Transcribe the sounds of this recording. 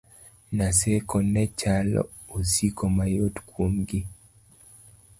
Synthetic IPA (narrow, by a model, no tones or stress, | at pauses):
nasɛkɔnɛt͡ʃalɔ̰ | osikɔmajotkwomɡi